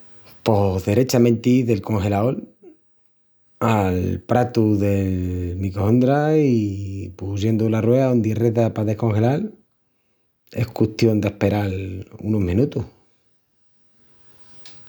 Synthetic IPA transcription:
po̞ðe̞ɾe̞t͡ʃamẽ̞nt̪iðe̞lko̞ŋxe̞lao̞l | alpɾat̪uðe̞lmikoõnd̪ɾaipuse̞nd̪ularweaond̪ireðapaðe̞hko̞ŋxe̞lal | e̞hkuht̪jo̞nd̪ehpe̞ɾalṵnoɦmĩnut̪uh

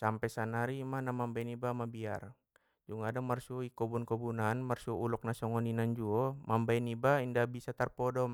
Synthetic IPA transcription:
sampɛsanaɾimanamambajnibamabia̰r | d͡ʒuŋadamarsɔikɔbunkɔbunanmarsiɔulɔk̚nasɔŋɔninand͡ʒuɔmambajnibaindabisat̪arpɔdɔm

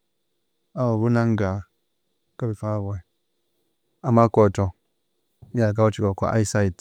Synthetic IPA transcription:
abunaŋɡa | kabifabe | amːakotɔ | ak̬awat͡ʃikɔkɔ̰ʔa̰isaid

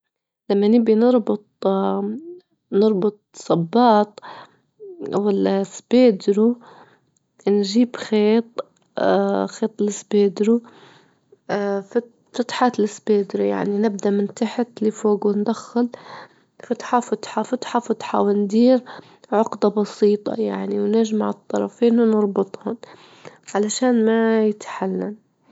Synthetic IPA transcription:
lamːanɪbinɑɾˤbʊt̪̚ˤ | nɨɾˤbʊt̪̚ˤsˤɑbːɑːt̪ˤ | wɪlsbeːd̪ɾu | nʒiːbxeːt̪̚ˤ | xeːt̪ˤɪlɪsbeːd̪ɾu | f | fʊt̪ħaːt̪lɪsbeːd̪ɾuja̰ʕninɪb̚d̪aʔmɪnt̪aħat̪lifoːɡwɪnd̪axːal | fat̪ħɑfʊt̪ħɑfʊt̪ħɑfʊt̪ħɑ̰wɪnd̪iːɾ | ʕʊqd̪ɑbɑsiːt̪ˤɑ̰jaʕniwnɪʒmaʕɨt̪ˤːɑɾˤɑ̰feːnwnɑɾˤbɨt̪ˤhʊn | ʕalaʃaːnmajɪt̪ħalːan

